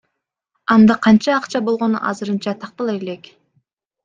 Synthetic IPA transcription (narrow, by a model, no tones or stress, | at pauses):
ɑnd̪ɑqʰɑnt͡ʃɑːqt͡ʃɑbo̞lˠʁo̞nṵʔɑ̰zɯɾɯnt͡ʃɑt̪ʰɑq̚t̪ɑlˠɯelek